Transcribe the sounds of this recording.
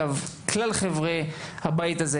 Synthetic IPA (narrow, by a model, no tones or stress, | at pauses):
avklalχevʁehabajt̪aze